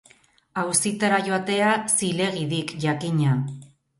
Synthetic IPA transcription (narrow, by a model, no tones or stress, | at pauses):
awsit̪aɾaʝo̞at̪e̞asile̞ɣ̞iðikʝakiɲa